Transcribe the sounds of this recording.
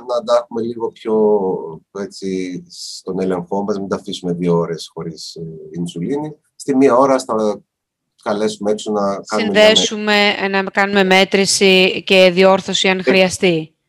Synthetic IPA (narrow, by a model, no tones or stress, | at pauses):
nɐd̪ɐxume̞liɣo̞pço̞ | et͡sit̪o̞ne̞le̞ŋxo̞mɐznɐd̪ɐfisume̞ðiooɾe̞sxo̞ɾisinsulini | st̪imiɐo̞ɾɐst̪ɐ | kɐle̞sumeeksonɐksɐinmðe̞sume̞nɐkɐnume̞me̞t̪ɾisice̞ðio̞ɾθo̞siɐnxɾiɐst̪i